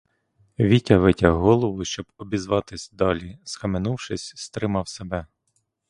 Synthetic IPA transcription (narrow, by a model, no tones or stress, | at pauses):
ʋʲitʲɐʋɪtʲɐɦɔlˠɔʋʊʃt͡ʃɔbɔbʲizʋɑt̪ɪsʲd̪ɑlʲiskɐmenuwʃɪsʲst̪ɾɪmɑwsebɛ